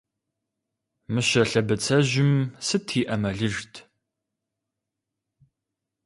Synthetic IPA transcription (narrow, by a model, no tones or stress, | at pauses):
mɨɕɐɬɐbɨt͡sʰɐʑɪmsɨtʰiːʔɐmɐɮɨʒtʰ